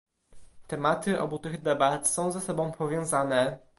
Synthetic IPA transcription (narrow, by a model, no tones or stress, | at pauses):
t̪ɛmat̪ɘʔɔ̰but̪ɘɣd̪ɛbat̪sɔ̃w̃zasɔbɔ̃w̃pʰɔvʲjɔ̃w̃zanɛ